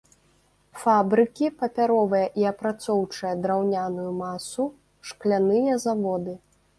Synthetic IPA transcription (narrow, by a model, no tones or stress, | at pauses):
fabɾɨkʲipɐpʲaɾɔvɐjɐʔiɐpɾat̪sɔwt͡ʂɐjɐd̪ɾawnʲanujumasu | ʂklʲanɨjɐzavɔd̪ɨ